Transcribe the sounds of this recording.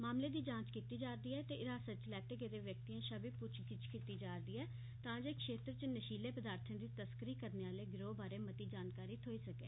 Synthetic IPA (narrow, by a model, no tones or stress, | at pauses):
maːmleːd̪iːd͡ʒãːt͡ʃkiːt̪iːd͡ʒaːɾd̪iːɛːt̪eːʔɪɾaːsət̪t͡ʃlɛːʈeːɡed̪eːʋjək̚t̪iːãːʃəbiːpʊt͡ʃʰkɪt͡ʃkiːt̪iːd͡ʒaːɾd̪iːɛː | t̪ãːd͡ʒeːkʃeːt̪ɾət͡ʃənəʃiːleːpəd̪aːɾt̪ʰãːd̪iːt̪əskəɾiːkəɾneːaːleːɡɪɾoːbaːɾeːmət̪iːd͡ʒaːnkaːɾiːt̪ʰoːiːsəkḛː